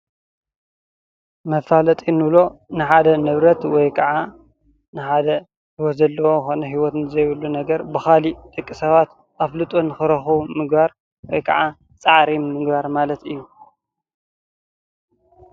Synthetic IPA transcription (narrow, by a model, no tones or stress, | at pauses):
mɐfalɐt̪ʼinɨβlo̞nɨħad̪ɐnɨβɾɐt̪wɔjkʰɐʕa | nɨħad̪ɐ | hiwɔt̪zɐlːɐwoxonɐɦiwɔt̪nɨzɐjβɨlːunɐɡɐɾbɨxalit̪ʼɨkʼːisɐβat̪ | ʔaflɨt̪ʼonɨxɨɾɐxumɨɡbaɾ | wɔjkʰɐʕa | t͡sʼaʕɾimmɨɡbaɾmalɐt̪ɨjːu